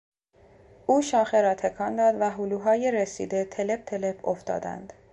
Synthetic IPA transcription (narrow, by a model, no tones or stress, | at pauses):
ʔuːʃɒːxe̞ɾɒːt̪ʰe̞kʰɒːnd̪ɒːd̪væɦuːluːɦɒːjeɾesḭːd̪e̞t̪ʰe̞le̞p̚t̪ʰe̞le̞pʰoft̪ɒ̰ːd̪æ̰nd̪̥